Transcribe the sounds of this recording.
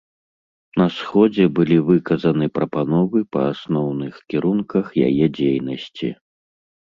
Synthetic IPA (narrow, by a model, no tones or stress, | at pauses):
nɐsxɔd͡zʲɛbɨlʲivɨkɐzɐnɨpɾɐpanɔvɨpɐ̰asnɔwnɨxkʲiɾunkɐxja̰jɛd͡zʲejnɐsʲt͡sʲi